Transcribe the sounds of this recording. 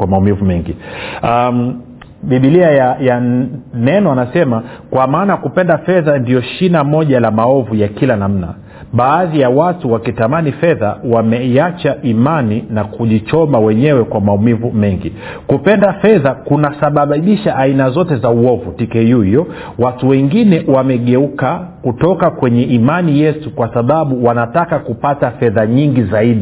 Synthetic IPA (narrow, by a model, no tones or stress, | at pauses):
wamaumivumɛŋɡia | ɓiɓiliajajanɛnɔanasɛmakwamaːnakupɛndafɛðandiɔʃinamɔʄalamaɔvujakilanam̩na̰ | ɓaːðijawatuwakitamanifɛðawamɛat͡ʃaʔimaninakuʄit͡ʃɔmawɛɲɛwɛkwamaumivumɛŋɡḭ | kupɛndafɛðakunasaɓaɓiʃaʔainazɔtɛzauɔvutikɛjujɔ | watuwɛŋɡinɛwamɛɠɛukakutɔkakwɛɲɛʔimanijɛsukwasaɓaɓuwanatakakupatafɛðaɲiŋɡizaiɗi